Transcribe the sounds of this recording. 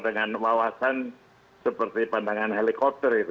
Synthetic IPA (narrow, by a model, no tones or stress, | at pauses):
dəŋanwawasan | səpərt̪ipandaŋanɦelikɔp̚t̪ərit̪